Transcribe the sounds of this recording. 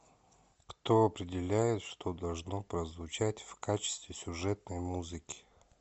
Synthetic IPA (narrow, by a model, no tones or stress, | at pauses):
kt̪oɐpɾʲɪdʲɪlʲæjɪt̪ʂt̪od̪ɐlˠʐnopɾəzvʊt͡ɕætʲfkat͡ɕɪ̥st̪vʲɪsʲʊʐɛt̪̚nəjmuzɨkʲɪ̥